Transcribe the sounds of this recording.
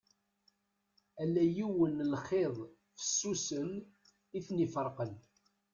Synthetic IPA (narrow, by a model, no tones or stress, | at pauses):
ælːæjiwənlχeðˤ | fə̥sːusən | iθnifəɾˤqən